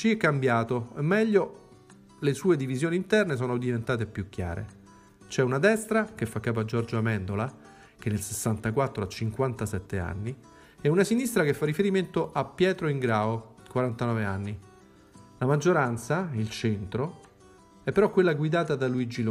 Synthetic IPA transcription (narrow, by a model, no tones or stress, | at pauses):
t͡ʃiɛkːambjaːt̪oɛmːɛʎːo | lesuːed̪ivizjoːniːnt̪ɛrnes̬oːnod̪ivent̪aːt̪̬epjukːja̰ːɾḛ | t͡ʃɛunad̪ɛst̪ɾakefːakːaːp̬oad͡ʒɔrd͡ʒoamɛnd̪ola | k̟enːelsesːant̪akwat̪ːɾoat͡ʃːiŋkwant̪asɛt̪ːea̰nːi | ɛunasinist̪ɾakefːarːifeɾiment̪oʔapːjɛːt̪ɾoiŋɡɾaːokwaɾant̪anɔːveanːi | lamad͡ʒːoɾant̪sailt͡ʃɛnt̪ɾo | ɛpːeɾɔkːwelːaɡwid̪aːt̪ad̪aluid͡ʒil